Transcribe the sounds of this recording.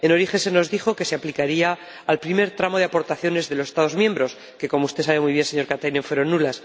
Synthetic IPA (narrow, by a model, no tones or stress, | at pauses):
eno̞ɾixe̞nse̞no̞zðixo̞ke̞se̞aplikaɾiaː | lpɾime̞ɾt̪ɾamo̞ðeapo̞ɾt̪aθjo̞ne̞zðe̞losest̪aðo̞zmjẽ̞mbɾo̞s | ke̞ko̞moust̪e̞saβe̞mwujβ̞je̞nse̞ɲo̞ɾkat̪ajnẽɱfwe̞ɾo̞nːulas